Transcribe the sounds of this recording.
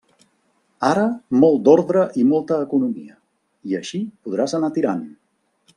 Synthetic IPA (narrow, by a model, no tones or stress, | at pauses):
aɾəmɔlˠt̪̚d̪ɔɾðɾəʔimɔlˠt̪əːkunumiə | iəʃipuð̞ɾazənat̪iɾan